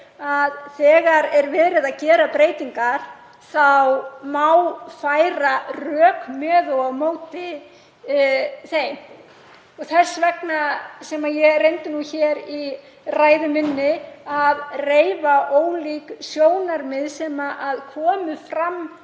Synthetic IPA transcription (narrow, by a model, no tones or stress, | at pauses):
aðθɛːɣaɾɛɾvɛːðɾɪðaðcɛːɾapɾeːjt̪iŋkaɾ̥ | θawmawfajɾarœːkmœːðɔawmoːwt̪ɪ | θej | ɔɣθɛsvɛknasɛmajɛrejnt̪ɪnuçɛːɾi | raːjðʏmɪnːɪaðreːjvaʔoːwliːksjoːwnaɾmɪðsɛːmaʔaðkʰɔːmʏfɾamː